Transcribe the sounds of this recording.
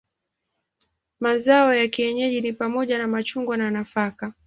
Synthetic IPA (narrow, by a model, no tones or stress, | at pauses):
mazaɔjakiɛɲɛʄinipamɔʄanamat͡ʃuŋɡwananafaka